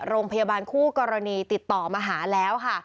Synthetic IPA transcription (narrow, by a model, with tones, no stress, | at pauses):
ɾoː˧ŋpʰa˧jaː˧baː˧nkʰuː˥˩kɔː˧ɾa˧niː˧t̪i˨˩t̪ːɔː˨˩maː˧ɦaː˩˦lɛː˦˥wkʰa˥˩